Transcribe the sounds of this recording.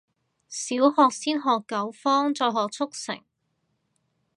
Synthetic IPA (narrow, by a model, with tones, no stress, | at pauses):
siː˨˥whɔː˧k̚siː˥nɦɔː˨kːɐ˨˥wfɔː˥ŋt͡sɔː˧jɦɔː˨k̚t͡sʰʊ˥k̚sɪ̰˨˩ŋ